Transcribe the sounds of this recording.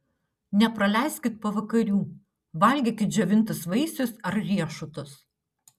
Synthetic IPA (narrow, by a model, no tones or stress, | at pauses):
nʲɛpɾɐlʲæˑɪsʲkʲɪt̪̚pɐʋɐkɐɾʲuː | ʋɐlʲɡʲeːkʲɪt̪̚d͡ʒʲɛʋʲɪnt̪ʊsʋɐɪsʲʊsɐɾɾʲiɛʃʊt̪ʊs